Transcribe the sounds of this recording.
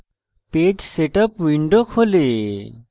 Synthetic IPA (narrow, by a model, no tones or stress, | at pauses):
ped͡ʒseʈəpwiɳɖokʰole